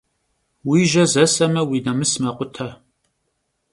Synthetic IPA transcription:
wiːʒɐzɐsɐmɐwinɐmɨsmɐqʷʼʊtʰɐ

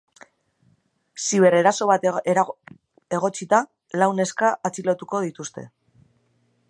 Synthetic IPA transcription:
siβ̞e̞ɾe̞ɾaso̞βat̪e | e̞ɣo̞t͡sit̪a | lawne̞skaːt͡silot̪uko̞ðit̪ust̪e̞̰

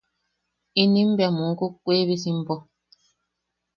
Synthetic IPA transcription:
inĩm̩bjamukukweːβisim̩bɔ

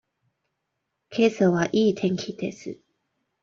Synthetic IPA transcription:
kʰe̞ːsoβaʔiːt̪ʰẽ̞ŋkʲʰid̪e̞̰sɨ̰

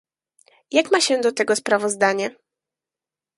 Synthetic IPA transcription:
jakmaɕɛ̃d̪ɔt̪ɛɡɔspɾavɔzd̪aɲɛ

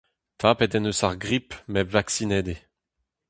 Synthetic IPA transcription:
t̪ʰaːpɛt̪ɛnøsaʁɡʁipmɛvaksinɛːd̪e

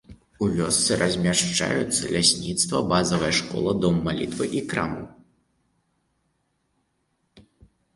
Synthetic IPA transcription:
uvʲɔst̪sɨɾʔɐzʲmʲaʂt͡ʂa̰jut̪sːɐlʲasʲnʲit̪st̪vɐbazɐvɐjɐʂkɔ̰lˠɐd̪ɔmːalʲit̪vɨʔikɾa̰mṵ

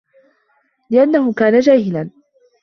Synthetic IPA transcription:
lɪʔanːahʊkaːnad͡ʒaːhɪlan

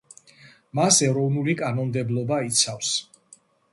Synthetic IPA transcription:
masɛɾɔvnulikʼanɔnmd̪ɛblˠɔbait̪sʰafs

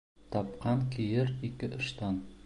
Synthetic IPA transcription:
t̪ʰɒpqʰɑnkʲʰijɪɾikʲɪʔʊʃt̪ʰɑn

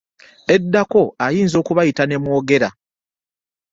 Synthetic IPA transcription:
e̞dːako̞ajiːnzo̞ːkuβajitane̞mwo̞ːɡe̞ɾa

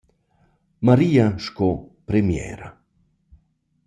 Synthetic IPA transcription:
maɾiːaʃkopɾemjɛ̰ːɾa

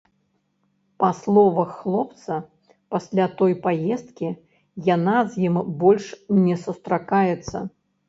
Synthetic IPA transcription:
paslˠɔvɐxːlˠɔpt̪sɐ | pasʲlʲat̪ɔjpajɛst̪̚kʲi | janazʲjimbɔlʲʂnʲɛsust̪ɾakajɛt̪sːɐ̰

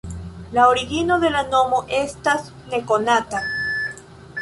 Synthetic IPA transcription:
laoɾiɡino̞ðe̞lano̞mo̞ʔe̞stas | ne̞ko̞nata

